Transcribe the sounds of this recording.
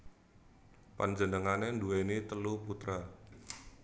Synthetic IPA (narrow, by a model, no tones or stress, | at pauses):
pa̰nd͡ʒənəŋanenduwenit̪əluput̪ɾa